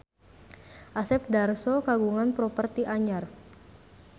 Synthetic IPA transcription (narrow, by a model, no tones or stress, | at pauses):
ʔasɛp̚darsɔkaɡuŋanpɾɔpərt̪iʔaɲar